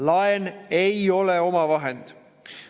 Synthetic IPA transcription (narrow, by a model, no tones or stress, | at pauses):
lɑenejo̞leo̞mɑvɑɦe̞nd̪̥